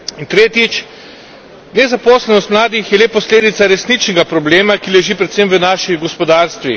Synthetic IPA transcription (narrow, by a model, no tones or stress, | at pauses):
int̪ɾeːt̪jit͡ʃ | nɛzapɔːslɛnɔst̪mlaːd̪ixjɛleːpɔsleːd̪it̪saɾɛsnit͡ʃnɛɡapɾɔbleːmakilɛʒiːpɾɛt̪semʋənaːʃiɡɔspɔd̪aːɾst̪ʋḭ